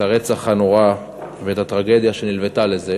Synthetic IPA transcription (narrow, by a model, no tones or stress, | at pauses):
aʁet͡saχanoʁa | veet̪at̪ʁaɡe̞d̪jaʃe̞nilvet̪ale̞ze